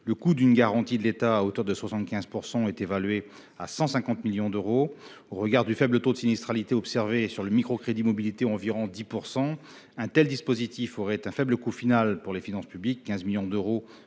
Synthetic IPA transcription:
ləkud̪ynɡaʁɑ̃t̪id̪əlet̪aːot̪œʁd̪əswasɑ̃t̪kʲɛ̃zpuʁsɑ̃ɛt̪evalɥe | asɑ̃sɛ̃kɑ̃t̪miljɔ̃d̪øʁo | oʁəɡaʁd̪yfɛblət̪od̪əsinist̪χalit̪eɔpsɛʁvesyʁləmikχokχed̪imɔbilit̪eɑ̃viʁɔ̃d̪ipuʁsɑ̃ | ɛ̃t̪ɛld̪ispozit̪ifɔʁɛt̪ɛ̃fɛbləkufinalpuʁlefinɑ̃spyblikʲːɛ̃zmiljɔ̃d̪øʁo

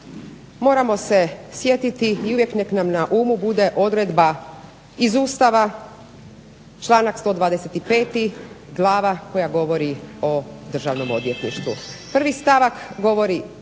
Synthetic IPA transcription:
mo̞ːɾamo̞se̞sje̞t̪it̪iiuʋje̞kne̞knamnaʔuːmubud̪e̞ʔo̞d̪ɾed̪ba | izuːst̪aʋa | t͡ʃlˠaːnakst̪o̞ːd̪ʋaːd̪eset̪ipe̞ːt̪i | ɡlˠaːʋako̞jaɡo̞ʋo̞ɾio̞d̪r̩ʒaʋno̞mo̞d̪ʋje̞t̪niʃt̪ʋupr̩ʋist̪aʋakɡo̞ʋo̞ɾi

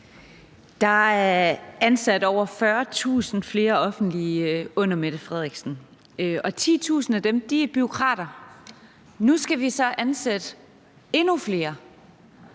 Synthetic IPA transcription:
d̥ɑ̈æɐænsæd̥ɒʊ̰ɐfɶɐt͡sʰṵːsn̩fle̝ːɐɒ̽fn̩d̥liɔ̽n̰ɐmed̥əfʁɛð̞ˠeɡ̥sn̩ | ɒ̽t͡sʰḭːt͡sʰṵːsn̩æd̥emd̥iæɐb̥yo̝kʰʁɑ̰̈ːɾ̥ɐ | nusɡ̥æʋisɒ̽ʔænsed̥ | e̝nufle̝ːɐ

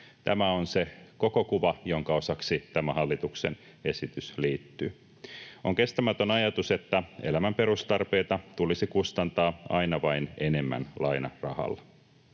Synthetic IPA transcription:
t̪æmæonseko̞ko̞kuʋɑjoŋkɑo̞sɑksit̪æmæhɑlːit̪ukse̞̰n | e̞sit̪ysliːt̪ːy | oŋke̞st̪æmæt̪ønɑjɑt̪use̞t̪ːæe̞̰læmæmpe̞ɾust̪ɑrpe̞ːt̪ɑt̪ulisikust̪ɑnt̪ɑːɑ̰inɑʋɑine̞ne̞mːæ̰nlɑinɑrɑ̰hɑ̰lː

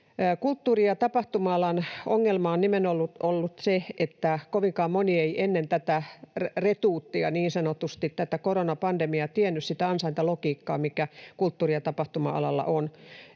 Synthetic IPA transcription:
kult̪ːuːriɑt̪ɑpɑht̪umɑɑlɑnoŋːelmɑonnimenolːut̪olːut̪seet̪ːækoʋiŋkɑːmonieiʔenːent̪æt̪æret̪uːt̪ːiɑ̰niːnsɑnot̪ust̪it̪t̪æt̪ækoronɑpɑndemiɑt̪ienːyssit̪æɑnsɑint̪ɑlokiːkːɑːmikækult̪ːuːriɑt̪ɑpɑht̪umɑ̰ɑ̰lɑ̰lːˑɑ̰ʔon

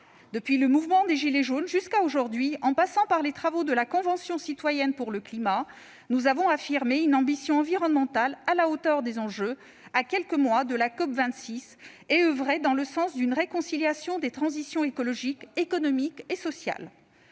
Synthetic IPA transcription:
d̪əpɥiləmuvmɑ̃d̪eʒileʒonʒyskaoʒuʁd̪ɥiɑ̃pasɑ̃paʁlet̪χavod̪əlakɔ̃vɑ̃sjɔ̃sit̪wajɛnpuʁləklima | nuzavɔ̃afiʁmeynɑ̃bisjɔ̃ɑ̃viʁɔnmɑ̃t̪alalaot̪œʁd̪ezɑ̃ʒø | akʲɛlkəmwad̪əlakɔpvɛ̃t̪sis | eøvʁɛd̪ɑ̃ləsɑ̃sd̪ynʁekɔ̃siljasjɔ̃d̪et̪χɑ̃zisjɔ̃ekɔlɔʒikekɔnɔmikesɔsja̰l

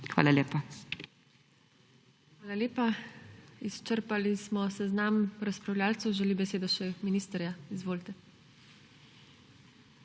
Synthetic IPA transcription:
xʋa̰ːlaleːpa | xʋaːlaleːpa | ist͡ʃəɾpalismɔsɛznamɾaspɾawlʲjaːlt̪suwʒɛlibɛseːd̪ɔʃɛminiːst̪əɾjaizʋoːlt̪ɛ

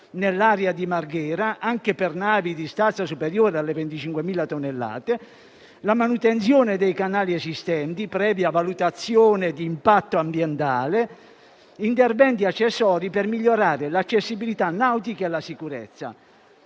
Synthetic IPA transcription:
nelːaɾjad̪imarɡɛːɾaʔaŋkepɛrnaːvid̪ist̪ant̪sasupɛɾjoːɾealːevent̪it͡ʃiŋkwemiːlat̪onːelːa̰ːt̪e | lamanut̪ɛnt̪sjoːned̪ɛjkanaːliɛzist̪ɛnt̪ipɾɛːvjavalut̪at̪sːjoːned̪iːmpat̪ːoambjɛnt̪aːle | int̪ɛrvɛnt̪iat͡ʃːɛsːɔːɾipɛrmiʎːoɾaːɾɪlat͡ʃːesːibilit̪anːawt̪ikaelasikuɾɛ̰t̪sːa̰

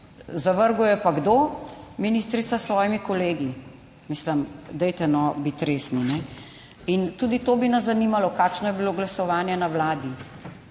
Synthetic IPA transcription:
zaʋəɾɡujɛpaɡd̪oːminiːst̪ɾit̪sasʋɔːjimikɔleːɡi | mislɐmd̪ɛjt̪ɛnɔbit̪ɾeːsninɛ | int̪uːd̪it̪oːbinazzɐniːmalɔkaːkʃnɔjɛbiloːɡlɐsɔʋaːnjɛnaʋlaːd̪i

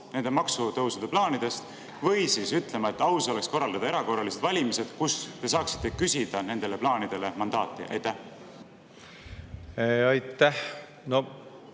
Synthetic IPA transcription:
ne̞nd̪e̞mɑksut̪ɤwsud̪e̞plɑːnid̪̥e̞st̪ | vɤ̞jsiːsyt̪ːˑle̞mɑe̞t̪ːˑɑwso̞le̞ksko̞rːɑld̪̥ɑd̪̥ɑe̞ɾɑko̞rːɑlise̞d̪vɑlʲimise̞d̪̥kust̪e̞s̬ɑːksi̥t̪ːe̞kysʲid̪̥ɑne̞nd̪ele̞plɑːnid̪̥e̞le̞mɑnd̪ɑːt̪ːˑiʔɑ̰jt̪ːæh | ɑjt̪ːˑæh | no

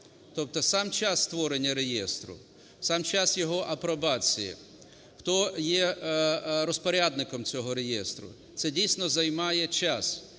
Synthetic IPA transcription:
t̪ɔp̚t̪ɔsɑmt͡ʃast̪ʋɔɾenʲːɐɾejɛst̪ɾʊ̰ | sɑmt͡ʃasjɔɦɔʔɐpɾɔbɑt͡sʲijḭ | xt̪ɔjɛ | ɾɔspɔɾʲad̪nɪkɔmt͡sʲɔɦɔɾejɛst̪ɾʊ̰ | t̪sɛdʲijsʲnɔzɐjmɑjɛt͡ʃas

